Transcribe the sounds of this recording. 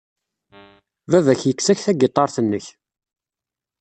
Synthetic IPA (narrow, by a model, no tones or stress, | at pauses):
vævæçjəkːsæçθæɡet̪ˤːɑɾˤθənːəç